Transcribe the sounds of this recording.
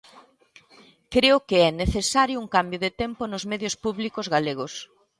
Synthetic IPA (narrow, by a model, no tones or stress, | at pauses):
kɾeʊkɪɛneθesaɾjʊuŋkambjʊðɪt̪ɛmpʊnʊzmɛðjʊspuβlikʊzɣaleɣʊs